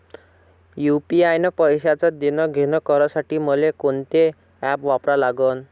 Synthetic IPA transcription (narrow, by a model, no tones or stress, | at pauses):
jupiajnəpəjɕat͡sad̪inɔɡʱenɔkəɾasaʈiːməlekont̪e | ɛpʋapɾalaɡən